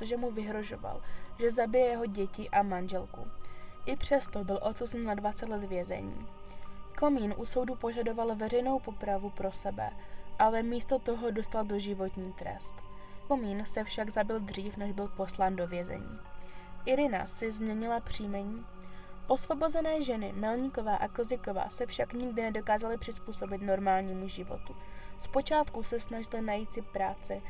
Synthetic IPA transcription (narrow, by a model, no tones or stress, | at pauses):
t̪oʒɛmuvɪɦɾo̞ʒo̞̰va̰lʒɛzabɪjɛjɛɦo̞ɟɛcɪʔamanʒɛlkṵʔɪpr̝̥ɛst̪o̞bɪlʔo̞t̪suzɛnːadvat͡sɛt̪lɛt̪vjɛzɛ̰ɲḭː | ko̞miːnʔuso̞wdupo̞ʒado̞valvɛrɛjno̞wpo̞pɾavupɾo̞sɛbɛ̰ʔalɛmiːst̪o̞t̪o̞ɦo̞do̞st̪aldo̞ʒɪvo̞t̪ɲiːt̪ɾɛ̰st̪ | ko̞miːnsɛfʃaɡzabɪld̪r̝iːfnɛʒbɪlpo̞slaːndo̞vjɛzɛ̰ɲḭːʔɪɾɪna̰sɪzmɲɛɲɪlapr̝̥iːmɛɲiː | ʔo̞svo̞bo̞zɛnɛːʒɛnɪmɛlɲɪko̞vaːʔakozɪko̞va̰ːsɛfʃakɲɪɡdɪnɛdo̞kaːzalɪpr̝̥ɪspuːso̞bɪt̪no̞ɾmaːlɲiːmuʒɪvo̞̰t̪uspo̞t͡ʃaːt̪kusɛsnaʒɪlɪnajiːt̪sɪpɾaːt͡sɪ